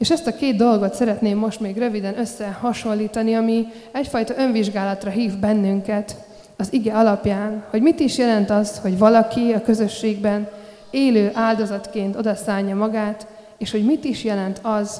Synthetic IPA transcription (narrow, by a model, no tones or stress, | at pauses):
eːʃɛst̪ɒkeːd̪̚d̪o̞lɡo̞t̪sɛɾɛt̪neːmːo̞ʃt̪meːɡrøvid̪ɛnø̞sːɛhɒʃo̞nlːiːt̪ɒniɒmi | ɛcfɒjt̪ɒʔø̞ɱviʒɡaːlɒt̪rɒɦiːvbɛnːyŋkɛt̪ | ɒziɡɛɒlɒpjaːnho̞ɟmit̪iʃjɛlɛnt̪ɒzho̞ɟvɒlɒkiɒkø̞zø̞ʃːeːɡbɛn | eːløːʔaːld̪o̞zɒt̪keːnt̪o̞d̪ɒsaːɲːɒmɒɡaːt̪ | eːʃho̞ɟmit̪iʃjɛlɛnt̪ʰɒz